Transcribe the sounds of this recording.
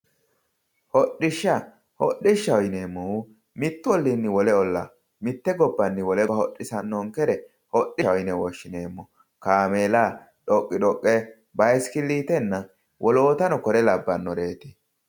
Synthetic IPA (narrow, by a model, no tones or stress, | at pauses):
hɔɗːɪʃːɐ | hɔ̰ɗːɪʃːɐwɔjneːmːɔ | mɪt̪ːʊwɔlːɪnːɪwɔlɛɔlːɐ | mɪt̪ːɛɡɔbːɐnːɪwɔlɛhɔɗːɪsɐnːɔŋkɛɾɛ | hɔɗɪɐɔjnɛwɔʃːɪneːmːɔ | kaːmeːla | ɗɔkʼːɪᶑɔkʼːɛ | bɐjskɪlːiːt̪ɛnːɐ | wʔɔlo̞ːt̪ɐnɔkɔɾɛlɐbːɐnːɔɾe̞ːt̪ɛ̥